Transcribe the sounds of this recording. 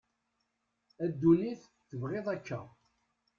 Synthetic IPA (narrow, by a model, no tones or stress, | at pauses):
æd̪ːuliθ | θəvʁeðˤækːæ̰